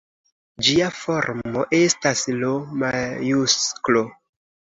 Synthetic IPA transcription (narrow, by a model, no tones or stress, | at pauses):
d͡ʒiafo̞ɾmmoʔe̞staslomajusklo̞